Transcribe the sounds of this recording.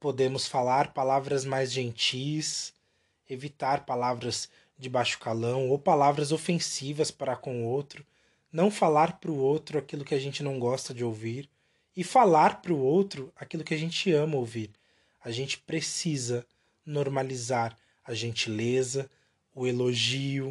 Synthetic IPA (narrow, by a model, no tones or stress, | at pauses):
pod̪ẽmʊsfalaɾpalavɾɐzmajzʒẽnt͡ʃijs | evit̪aɾpalavɾɐz | d͡ʒɪbaʃʊ̥kalɐ̃w̃owpalavɾɐzofẽsivɐspaɾakõʊowt̪ɾʊ | nɐ̃w̃falaɾpɾʊowt̪ɾʊakilʊkɪaʒẽnt͡ʃɪnɐ̃w̃ɡɔst̪ɐd͡ʒɪowviɾ | ɪfalaɾpɾʊowt̪ɾʊakilʊkɪaʒẽt͡ʃɪɐ̃mɐowviɾ | aʒẽnt͡ʃɪ̥pɾesizɐ | noɾmalizaɾ | ɐʒẽnt͡ʃilezɐ | ʊeloʒiʊ